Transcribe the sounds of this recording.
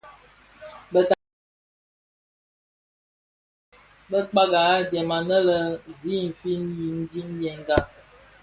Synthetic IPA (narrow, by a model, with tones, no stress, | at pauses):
bə˦t | bə˦k͡pa˦ɡa˨˦dɛ˨ma˨nə˦lə˦zi˨˦m̩˨fi˦nji˨n̩˦di˦njɛ˨ŋ˦ɡa˦